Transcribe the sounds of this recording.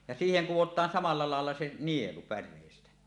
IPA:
jɑ siːheŋ kuwotˑɑːn sɑmɑlˑɑ lɑelːɑ se nielu pærˑeˑistæ

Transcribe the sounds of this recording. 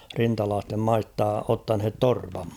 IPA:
rintɑlɑːstem mɑistɑ otːɑnhet torpɑm

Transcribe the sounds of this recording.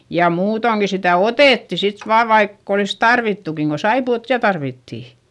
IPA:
jɑ muːtoŋki sitæˑ oteˑtːi sit ʋɑːʋ ʋɑikː olis tɑrʋitːukiŋ ko sɑipuot jɑ tɑrʋitːiˑ

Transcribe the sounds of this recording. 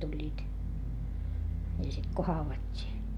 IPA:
tulʲːiːt jɑ sit ko hɑuʋɑtʲːiː

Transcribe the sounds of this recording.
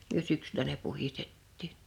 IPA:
myø syksylæ ne puhistetːiːn̥

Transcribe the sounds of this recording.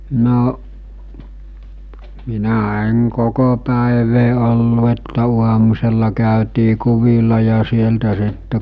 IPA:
noʔ minæ eŋ koko pæˑeʋeː olːu etːæ uɑmuselːɑ kæˑøtiː kuʋilɑ jɑ sieltæ sitːe

